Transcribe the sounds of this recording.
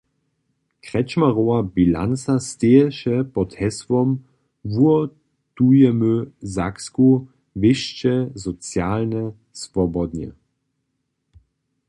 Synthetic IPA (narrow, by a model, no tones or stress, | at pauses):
kʁɛt͡ʃmaʁowabila̰nt͡sast̪eːɛʃɛpɔthɛswɔm | vuɔ | t̪ujɛmøzaksku | vɪʃt͡ʃɛzɔt͡sjaːlnə | svɔbɔd̪njɛ̰